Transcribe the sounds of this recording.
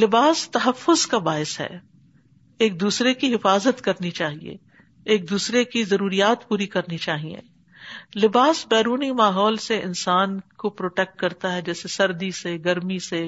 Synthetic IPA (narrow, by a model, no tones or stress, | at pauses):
lɪbaːst̪ɐɦɐfːʊzkabaːɪsɦɛ̰ː | eːk̚d̪uːsɾekiɦɪfaːzət̪kɐɾnit͡ʃaːɦiḛ | eːk̚d̪uːsɾekizɐɾuːɾijaːt̪puːɾikɐɾnit͡ʃaːɦiḛ̃ː | lɪbaːsbɛːɾuːnimaːɦɔːlseɪ̰nsaːnkopɾoːʈɛk̚ʈ̚kɐɾt̪aɦɛd͡ʒɛːsesɐɾd̪iseɡɐɾmise